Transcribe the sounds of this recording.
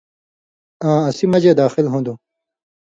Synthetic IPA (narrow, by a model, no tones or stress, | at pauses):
ãːɐsimɐd͡ʑed̪aːxilɦũːd̪ũ